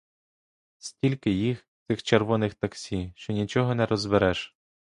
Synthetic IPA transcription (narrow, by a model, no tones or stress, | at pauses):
sʲtʲilʲkɪjix | t̪sɪxt͡ʃerʋɔnɪxt̪ɐksʲiʃt͡ʃɔnʲit͡ʃɔɦɔnɛɾɔzbeɾɛʃ